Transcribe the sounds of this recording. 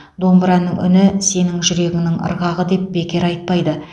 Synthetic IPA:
d̪o̞mbɾɑnːəŋʏ̰nɪse̞nɪŋʒʏɾe̞ɡʲɪŋnɪŋə̰ɾʁɑʁəd̪e̞p̚be̞kʲe̞ɾɑjt̪̚pɑjd̪ə

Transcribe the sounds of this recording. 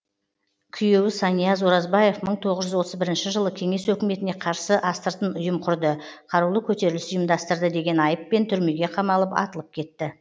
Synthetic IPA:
kʲʰʏje̞wɪsɑnijɑzoɾɑzbɑje̞fməɴt̪ʰo̞ʁəʒʏzwo̞t̪əzbɪɾɪnʃɪʒəlˠəkʲʰe̞ŋe̞swɵkʲɪme̞t̪ɪne̞qʰɑɾsəʔɑst̪əɾt̪ənʊjəmqʰʊɾd̪əqʰɑɾuwlˠəkʲʰɵt̪e̞ɾɪlɪsʊjəmd̪ɑst̪əɾd̪əd̪e̞ɡʲe̞nɑjəpːe̞nt̪ʰʏɾme̞ɡʲe̞qʰɑmɑlˠəpɑ̰t̪əlˠəp̚kʲʰe̞t̪ːɪ

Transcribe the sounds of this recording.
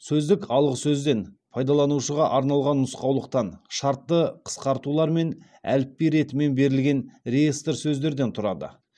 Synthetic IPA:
sɵzd̪ɪkɑlˠʁəsɵzd̪e̞npʰɑjd̪ɑlˠɑnuʃəʁɑʔɑɾnɑlˠʁɑnːʊsqɑwlˠəq̚t̪ɑnʃɑɾt̪ːəqʰə̥sqɑɾt̪ulˠɑɾme̞n | æ̰lɪpːiɾe̞t̪ɪme̞nbe̞ɾɪlɡʲe̞nrejest̪əɾsɵzd̪e̞ɾd̪e̞nt̪ʰʊɾɑd̪ə̰

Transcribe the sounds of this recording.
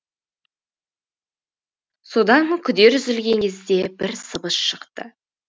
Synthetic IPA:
so̞d̪ɑŋkʲʰʏd̪e̞ɾʏzɪlɡʲe̞ŋkʲʰe̞zd̪e̞bɪɾsəbəsʃəqt̪ə

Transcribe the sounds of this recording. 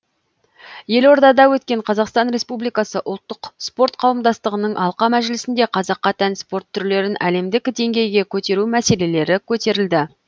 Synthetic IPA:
je̞lo̞ɾd̪ɑd̪ɑwɵt̪kʲe̞ɴqʰɑzɑqst̪ɑnɾe̞spublijkɑsəʔʊlˠt̪ːəqspo̞rt̪qʰɑwəmd̪ɑst̪əʁənəɴʔɑlˠqɑmæʒɪlɪsɪnd̪e̞qʰɑzɑqːɑt̪ʰænspo̞ɾt̪ʰːʏɾle̞ɾɪnʔæle̞md̪ɪkʲd̪e̞ŋɡʲe̞jɡʲe̞kʲʰɵt̪e̞ɾumæse̞le̞le̞ɾɪkʲʰɵt̪e̞ɾɪld̪ɪ

